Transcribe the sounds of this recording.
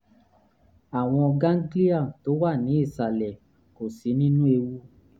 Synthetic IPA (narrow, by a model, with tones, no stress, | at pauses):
a˨w̃ɔ̃˧ɔ˧ɡã˦n̩˦ɡli˦a˦˨to˨˦wa˦˨nĩ˨˦i˦˨sa˨lɛ˨ | ko˨si˨˦nĩ˦nũ˦e˧wu˦